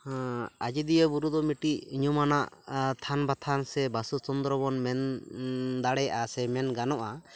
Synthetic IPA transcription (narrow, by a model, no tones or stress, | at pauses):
ad͡ʒid̪ijɔbuɾud̪ɔmiʈiʔɲɔmanaʔt̪ʰanbat̪ʰansɛbasut͡ʃɔnd̪ɾɔbɔnmɛn | d̪aɽɛjʔasɛmɛnɡanɔʔa